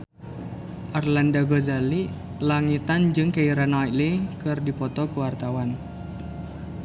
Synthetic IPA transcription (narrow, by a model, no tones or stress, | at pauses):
ʔarlandaɡɔzali | laŋit̪and͡ʒɨŋkaiɾanalikɨrdipɔt̪ɔkuwart̪awan